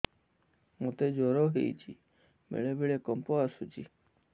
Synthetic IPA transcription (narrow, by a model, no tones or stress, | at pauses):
mot̪ed͡ʒɔɾɔɦḛjt͡ʃʰi | mḛɭebeɭekɔmpɔasut͡ʃʰi